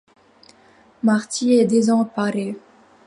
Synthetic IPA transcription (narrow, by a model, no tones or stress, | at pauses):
maʁt̪iɛd̪ezɑ̃paʁe